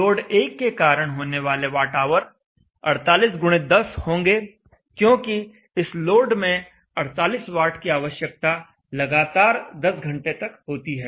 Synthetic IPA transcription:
oːɖeːkːekaːɾəɽ̃ɦoːneʋaːleʋaːʈaːʋəɾ | ɐ̰ɽt̪aːliːsɡʊɽ̃ed̪ɐshõːŋɡe | kjõːki | ɪsloːɖmẽ | ɐɽt̪aːliːsʋaːɾʈʰkiaːʋəʃjək̚t̪a | lɐɡaːt̪aːɾd̪ɐsɡʱɐ̃ɳʈet̪ɐkɦoːt̪iɦɛː

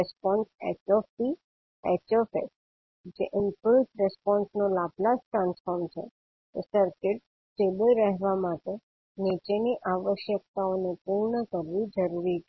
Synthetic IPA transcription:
ɛspɔnsḛt͡ʃɔfi | et͡ʃɔfḛs | d͡ʒeʔɪmpəlsɾɛspɔnsnolaplasʈɾãnsfɔɾmt͡ʃʰḛ | t̪esəɾkɪʈ | sʈebəlɾɛɦʋamaʈe | nit͡ʃeniʔaʋəʃjək̚t̪aonepuɾɳəkəɾʋid͡ʒəɾuɾit͡ʃʰ

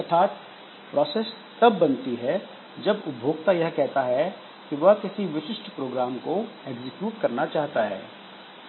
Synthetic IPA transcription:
ɐɾt̪ʰaːt̪̚ | pɾɔːseːs | t̪ɐbːɐnt̪iɦɛ | d͡ʒɐbʊbbʱoːɡ̚t̪ajɐɦkɛɦt̪aɦɛ | kiʋɐɦkɪsiʋɪʃɪsʈpɾoːɡɾaːmkoeɡzɪkjuːʈkɐɾnat͡ʃaːɦt̪aɦɛ̰ː

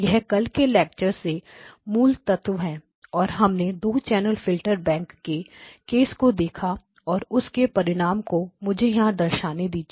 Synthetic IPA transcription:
jɐɛɦkɐlkelɛːk̚t͡ʃəɾsemuːlt̪ɐt̪ʰʋɦɛ̃ː | ɔːɾɦɐmned̪oːt͡ʃɛːnəlfɪlʈəɾbɛ̃ːŋkːekeːskod̪eːkʰa | ɔːɾʊskepɐɾɪɽ̃aːmkomʊd͡ʒʱejɐɦãd̪ɐɾʃaːned̪iːd͡ʒ

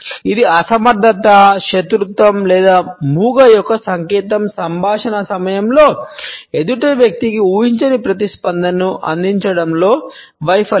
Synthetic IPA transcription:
id̪iɐsɐmɐɾd̪ʱɐt̪ɐʃet̪ɾut̪ʋɐmlɛːd̪aːmuːɡɐjɔkːɐsɐŋkɛːt̪ɐmsɐmbʱaːʂɐnɐsɐmɐjɐmlo̞ːed̪uʈeʋjɐk̚t̪ikiuːɦiɲt͡ʃɐnipɾɐt̪ispɐnd̪ʱɐnɐuʔɐ̰nd̪iɲt͡ʃɐɽɐmlo̞ːʋɐjpʰɐ

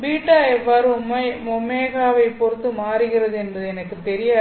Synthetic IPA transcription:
biːʈːaːɛʋːaːɾɯmɐmɔmːeːɣaːʋɐɪpːɔɾɯt̪ːɯmaːɾɯɣɪrɐðɯɛnbɐðɯɛnɐkːɯt̪ːɛɾɪja

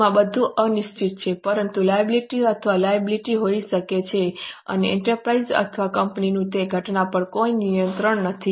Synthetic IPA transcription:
ãbəd̪ʱũʔənɪʃt͡ʃʰit̪t͡ʃʰepəɾənt̪ulajəbliʈiət̪ʰʋalajəbliʈiɦoiʃəket͡ʃʰeə̰neɛɳʈəɾpɾaizə̰t̪ʰəʋakəmpninũt̪eɡʱəʈnapəɳkoinijənt̪ɾəɳnət̪ʰi

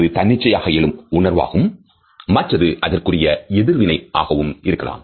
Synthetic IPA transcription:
ðɯt̪ɐnːɪt͡ʃːɐjaːɣɐɛlɯmʊɳɐɾʋa̰ːɣɯmː | ɐʈrɐðɯʔɐðɐrkɯrɪjɐɛðɯɾʋɪnɐɪʔaːɣɐʋɯmɪɾɯkːɐla̰ːm

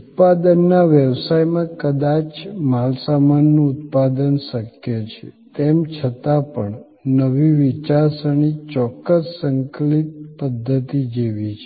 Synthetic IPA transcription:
ut̪̚pad̪ənːaʋjəʋsajmãkəd̪at͡ʃmalsamanːũut̪̚pad̪ənʃəkjet͡ʃʰḛ | t̪emt͡ʃʰət̪apəɳ | nəʋiʋit͡ʃaɾsəɳ̃it͡ʃɔkːəsːəŋklit̪̚pəd̪ʱːət̪id͡ʒeʋit͡ʃʰe

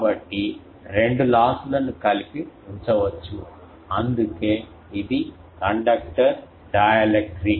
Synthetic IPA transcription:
bɐʈːi | ɾe̞ɳɖulaːsulɐnukɐlipiuɲt͡ʃɐʋɐt͡ʃːu | ɐnd̪ukeː | id̪i | kɐɳɖɐk̚ʈɐɾ | ɖɐːjɐlek̚ʈɾi

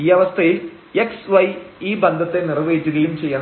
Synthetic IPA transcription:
iːɐʋɐst̪ʰɐjil | eksʋɐjiːbɐnd̪ʱɐt̪ːe̞nirʋeːit͡ɕːuɣɐjumt͡ɕe̞jːɐɳ

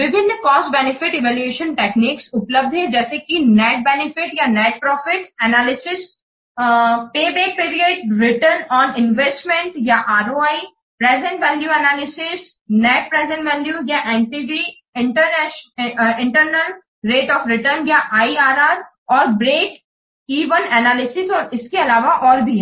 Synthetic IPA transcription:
bɪbʱɪ̃nkɔːsʈbɛnɪfɪʈɪʋɛːlueːʃə̃nʈeːkniːksʊpləb̚d̪ʱɦɛ̃d͡ʒɛːsekinɛːʈ̚bɛnɪfɪʈjanɛːʈ̚pɾɔːfɪʈɛnaːlɪsɪs | peːbeːpiːɾijəɖɾɪʈəɾnɔːnɪ̃nʋesʈmẽɳʈjaʔaːɾoaːi | pɾɛːzə̃ɳʈʋɛ̃ːɖjuɛnaːlɪsɪs | nɛːʈ̚pɾɛːzə̃ɳʈʋɛ̃ːnɖjujaʔɛ̃ːnʈiɖiː | ɪ̃ɳʈəɾnɛ | ɪ̃ɳʈəɾnəl | ɾeːʈɔːfɾɪʈəɾnjaʔaːiaːɾaːɾ | ɔːɾbɾeːʈ | iːʋənɛnaːlɪsɪsɔːɾɪskeɐlaːʋaʔɔːɾbʱiɦɛ

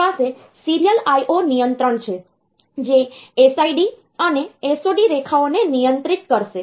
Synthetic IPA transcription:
ase | siɾijəlajʔonijənt̪ɾəɳt͡ʃʰe | d͡ʒeːsaiɖi | əneesoɖiɾekʰaonenijənt̪ɾit̪kəɾʃe

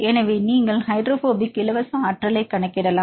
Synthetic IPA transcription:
ɛnɐʋeniːŋɡɐɭhɐɪɖɾofoːbɪkːɪlɐʋɐsɐ̃ɐʈrɐlɐɪkːɐɳɐkːɪɽɐlãː

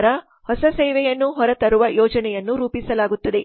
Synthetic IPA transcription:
ɾɐ | hɔsɐsɛːʋɛjɐnːuɦɔɾɐt̪ɐɾuʋɐjɔːd͡ʒɐnɛjɐnːuɾuːpisɐlaːɡut̪ːɐd̪e̞

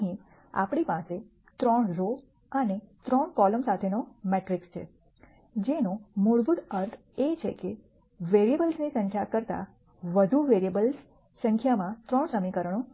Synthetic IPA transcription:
ɦĩ | a̰pɽ̃ipãse | t̪ɾɔɳɾo | ənet̪ɾɔɳkɔləmsat̪ʰenomeʈɾikst͡ʃʰḛ | d͡ʒenomoɭb̪ud̪əɾt̪ʰ | et͡ʃʰḛke | ʋeɾiebəlsnisə̃ŋkʰjakəɾt̪a̰ | ʋəd̪ʱuʋeɾiebəls | sə̃ŋkʰjamãt̪ɾɔɳsəmikəɾəɽ̃o

